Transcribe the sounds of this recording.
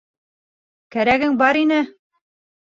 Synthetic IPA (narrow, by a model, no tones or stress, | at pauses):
kæɾæɡɘŋbɑɾinɘ